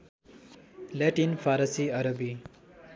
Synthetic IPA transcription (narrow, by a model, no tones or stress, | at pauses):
lɛʈinfʰaɾʌsiʌɾʌbi